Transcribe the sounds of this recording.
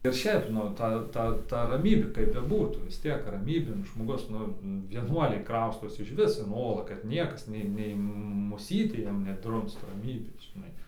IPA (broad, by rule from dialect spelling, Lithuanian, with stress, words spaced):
ɪr ˈʃʲɛɪp ˈnʊ ˈtɐ ˈtɐ tɐ rɐˈmʲiːbʲeː kɐɪp bʲɛˈbuːtuː ʋʲɪs ˈtʲiɛk rɐˈmʲiːbʲeːn ʒmoːˈɡʊs ˈnʊ ʋʲiɛˈnuɔlʲɛɪ ˈkrɐʊstoːsʲɪ ɪʃʲˈʋʲɪs ɪn ˈoːlˠɑː kɐt ˈnʲiɛkɐs ˈnʲɛɪ ˈnʲɛɪ mʊˈsʲiːtʲeː ˈjiɛm nʲɛˈdrʊmst rɐˈmʲiːbʲeːs ʒʲɪˈnɐɪ